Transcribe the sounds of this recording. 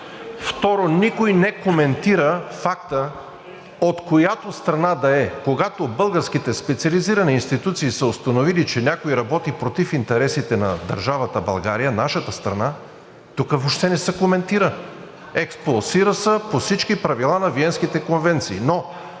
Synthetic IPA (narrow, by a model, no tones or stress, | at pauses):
ft̪ɔɾonikojnɛkomɛnt̪iɾəfak̚t̪ə | ot̪kojat̪ost̪ɾɐnad̪ɐɛkoɡat̪obɤlˠɡəɾsk̟it̪ɛspɛt̪siɐliziɾɐniːnst̪it̪ut̪siːsəost̪ɐnovilit͡ʃɛnʲakoiɾɐbɔt̪ipɾot̪ifint̪ɛɾɛsit̪ɛnɐd̪ɐ̰ɾʒavɐt̪əbɐ̰lˠɡaɾijənaʃət̪əst̪ɾɐna | t̪ukəvoʃt̪ɛnɛsɛkomɛnt̪iɾə | ɛksplˠosiɾəsəposit͡ʃkipɾɐvilˠanɐviɛnskit̪ɛkonvɛnt̪siːno